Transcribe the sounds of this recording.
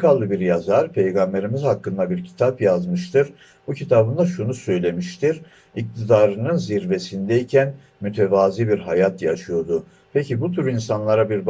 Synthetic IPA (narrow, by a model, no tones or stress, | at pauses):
kalˠːɯbiɾjazaɾpʰe̞jɡambe̞ɾimizhakːɯnd̪abiɾcʰi̥t̪ʰapjazmɯʃt̪ʰɯɾ | bucʰit̪ʰabɯnd̪aʃunusø̞jlʲe̞miʃt̪ʰiɾ | ic̚t̪ʰid̪aːɾɯnɯnziɾve̞sind̪ɛjicʰæn | myt̪ʰe̞vaːziːbiɾɦajat̪ʰjaʃɯjo̞d̪u | pʰecʰibut̪ʰyɾinsanlˠaɾabiɾb